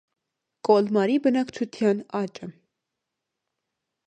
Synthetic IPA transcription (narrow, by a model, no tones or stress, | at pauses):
kʼɔlmɑɾibənɑkt͡ʃʰut̪ʰjɑnɑt͡ʃʼə